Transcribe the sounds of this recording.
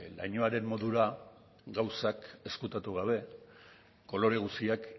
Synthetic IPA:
la̰jɲoaɾe̞mːo̞ðuɾa | ɡawsake̞skut̪at̪uɣaβ̞e̞ | ko̞lo̞ɾe̞ɣ̞usiak

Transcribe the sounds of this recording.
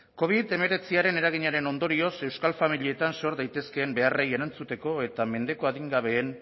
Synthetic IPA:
ko̞β̞iðe̞me̞ɾe̞t͡siaɾe̞ne̞ɾaɣ̞iɲaɾe̞no̞nd̪o̞ɾio̞se̞wskalfamilie̞t̪anso̞ɾðajt̪e̞ske̞ːmbe̞areje̞ɾant͡sut̪e̞ko̞e̞t̪ame̞nd̪e̞ko̞aðiŋɡaβ̞e̞ːn

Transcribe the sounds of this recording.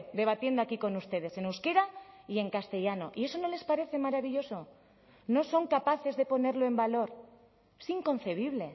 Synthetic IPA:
d̪e̞βat̪je̞nd̪oakiko̞nust̪e̞ð̞e̞se̞newskeɾaie̞ŋkast̪e̞ʎanoʔie̞so̞no̞le̞spaɾe̞θe̞maɾaβiʎo̞so̞ | no̞so̞ŋkapaθe̞zðe̞po̞ne̞ɾloe̞mbalo̞ɾ | siŋko̞n̟θe̞β̞iβ̞le̞

